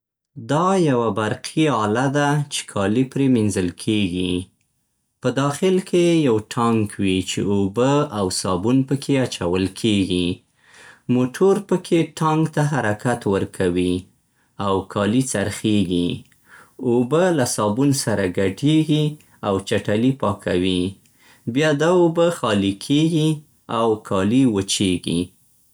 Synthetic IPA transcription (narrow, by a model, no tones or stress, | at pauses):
d̪ɑjawabaɾqʰiɑlad̪at͡ʃe̥kʰɑlipɾeminzəlkʰeɡi | pəd̪ɑxɪlkejawʈʰɑŋkwit͡ʃḛobəawsɑbunpəkʰeat͡ʃawəlkʰeɡi | moʈʰoɾpəkʰeʈʰɑŋɡt̪aɦaɾakat̪wəɾkʰawi | awkʰɑlit͡saɾxeɡi | obəlasɑbunsaɾaɡaʈeɡi | awt͡ʃaʈalipɑkʰa̰wi | bjɑd̪aobəxɑlikʰeɡi | awkʰɑliwət͡ʃeɡḭ